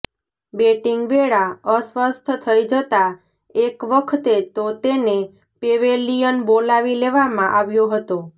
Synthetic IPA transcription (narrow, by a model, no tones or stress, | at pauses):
beʈiŋɡʋeɭaəsʋəst̪ʰt̪ʰəid͡ʒət̪a | ekʋəkʰt̪et̪ot̪ene | peʋelijənbolaʋileʋamãʔaʋjoɦət̪o